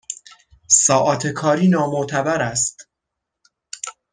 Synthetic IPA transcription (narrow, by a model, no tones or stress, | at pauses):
sɒːʔɒːt̪ʰe̞kʰɒːɾiːnɒːmoʔt̪ʰæbæɾæst̪